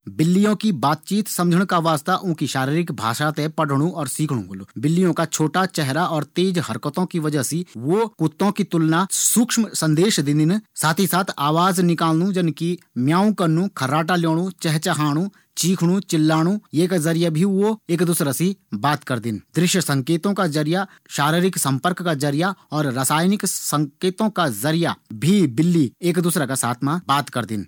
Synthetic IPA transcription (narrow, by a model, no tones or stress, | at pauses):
bɪlːijõkibaːt̪̚t͡ʃiːt̪sɐ̃md͡ʒʱəɽ̃kaʋaːst̪aʔʊ̃kiʃaːɾiːɾɪkbʱa̰ːʃat̪ẽpəɽɽ̃ũɔːɾsiːkʰɽ̃ṵ̃lubɪlːijõkat͡ʃʰoːʈat͡ʃɛɦɾaʔɔːɾt̪eːd͡ʒɦəɾkət̪õkiʋəd͡ʒəɦsiʋokʊt̪ːõkit̪ʊlnasʊkʃmsə̃nd̪eːʃd̪ɪ̃nɪnsaːt̪ʰisaːt̪ʰaːʋaːznɪkaːlnũd͡ʒɐnki | mjaːũkəɾnũkʰəɾaːʈaljoːɽ̃ũt͡ʃɛɦt͡ʃɐɦaːɽ̃u | t͡ʃiːkʰɽ̃ũt͡ʃɪlːaːɽ̃ũjeːkzɐɾijabʱiʋoeːkd̪ʊsɾasibaːt̪kɐɾd̪ɪnd̪ɾɪʃjəsɐ̃ŋkeːt̪õkad͡ʒɐɾija | ʃaːɾiɾɪksɐ̃mpəɾkːazɐɾijaɔːɾɾasaːjnɪksɐ̃ŋkeːt̪õkazɐɾijabʱibɪlːieːkd̪ʊsɾakasaːt̪ʰmãbaːt̪kɐɾd̪ɪ̰n